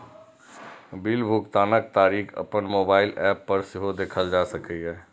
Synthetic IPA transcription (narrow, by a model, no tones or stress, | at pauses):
bilbʱukt̪aːnək̚t̪aːɾiːkʰə̰pənmoːbaːɪlɛːpːəɾsɪɦod̪eːkʰəld͡ʒaːsəkəɦɛː